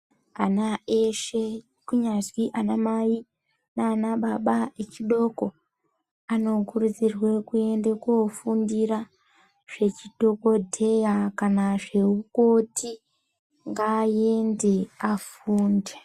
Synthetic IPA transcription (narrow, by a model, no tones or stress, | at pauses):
anaeʃe | kuɲazwiʔanamai | naːnaɓaɓaet͡ʃiɗo̞ko̞ | ano̞kurud͡zirwe̞kue̞ndekofundira | ʐ̥e̞t͡ʃiɗʱo̞ko̞dʱe̞jakanaʐe̞uko̞tʰi | ŋɡaje̞nde̞af | uːnde